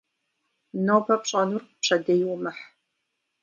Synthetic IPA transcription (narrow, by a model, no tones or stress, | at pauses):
nowpʰɐpɕʼɐnurpɕʼɐdɐjwmɨħ